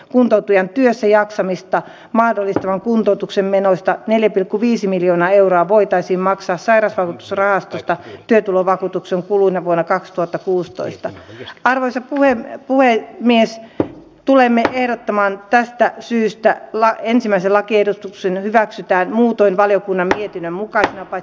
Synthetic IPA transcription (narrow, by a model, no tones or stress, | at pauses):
kunt̪out̪ujɑnt̪yøsːæjɑksɑmist̪ɑ | mɑhdolːist̪ɑʋɑŋkunt̪out̪uksemmenost̪ɑneljæpilkːuʋiːsimiljoːnɑːeuroɑʋoit̪ɑisiːmmɑksɑːssɑiɾɑsʋɑkut̪u̥srɑhɑst̪ost̪ɑt̪yøt̪uloʋɑkuːt̪ukseŋkuluinɑʋuonːɑkɑkst̪uhɑt̪ːɑkuːst̪o̰ist̪ɑɑrʋoisɑpuhepuhemies | t̪ulemːeʔehɾot̪ːomɑːnt̪æst̪æsyːst̪ælɑensimˑæiselɑkiehdut̪uksenhyʋæksyt̪æːnmuːt̪oinʋɑljokunːɑmmiet̪inːømmukɑsinɑpɑ